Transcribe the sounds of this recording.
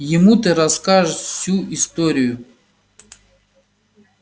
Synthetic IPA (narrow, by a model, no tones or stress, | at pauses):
jɪmut̪ɨɾɐskaʐɨʂfsʲuʔist̪oɾʲɪjʊ